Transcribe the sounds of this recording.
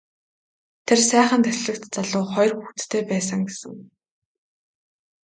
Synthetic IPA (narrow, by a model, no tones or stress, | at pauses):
t̪ʰersæːχə̆nt̪ʰæxɮɘ̆kt̪t͡saɮʊːχɔjrxuxt̪t̪ʰːeːpæːsə̆ŋɡesɘ̰̆ŋ